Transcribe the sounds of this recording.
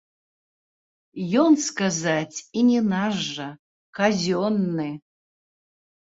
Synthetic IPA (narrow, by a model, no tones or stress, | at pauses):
jɔnskazat͡sʲinʲinaʐɐ | kazʲonːɨ